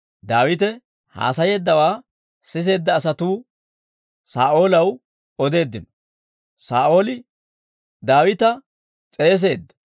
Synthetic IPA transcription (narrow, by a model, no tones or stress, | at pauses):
d̪aːwɪt̪̬ɛ | ha̰ːsɐje̞ːd̪ːɐwaː | sɪs̬e̞ːd̪ːɐːsɐt̪uː | saːʔo̞ːlɐw | ɔd̪e̞ːd̪ːɪnɔ | saːʔo̞ːlɪ | d̪aːwɪt̪ɐ | t͡sʼe̞ːs̬e̞ːd̪ːɐ̥